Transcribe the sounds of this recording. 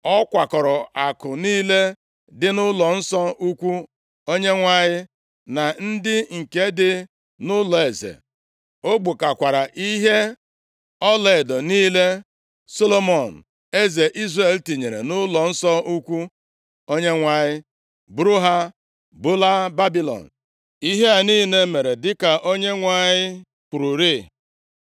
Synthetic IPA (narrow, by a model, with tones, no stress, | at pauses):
ɔ˦kʷa˨kɔ˨ɾɔ˨a˨kʊ˨niː˦le˦ | dɪ˦nʊ˦lɔ˨n̩˦sɔ˦u˦kʷu˦ | o˦ɲe˦ŋʷa˦ɲɪ˦ | na˨n̩˦dɪ˦ŋ̩˨ke˦dɪ˦ | nʊ˦lɔ˨e˨zḛ˨ | o˦ɡ͡bu˨ka˨kʷa˨ɾa˨ʔi˦ɦe˦ | ɔ˦le˨dɔ˨niː˦le˦ | so˦lo˦mɔ˨n̩˨ | e˦ze˨ʔi˦zre˦˨lti˨ɲe˨ɾḛ˨nʊ˦lɔ˨n̩˦sɔ˦u˦kʷu˦ | o˦ɲe˦ŋʷa˨ɲɪ˦ | bʊ˦ɾʊ˦ɦa˦ | bʊ˦la˦ba˦bi˦lɔ̰˨n̩˨ | i˦ɦe˦a˨niː˦˨ne˦me˨ɾe˨dɪ˦ka˨ʔo˦ɲe˦ŋʷa˨ɲɪ˦ | ku˨ɾu˨ɾi˦˨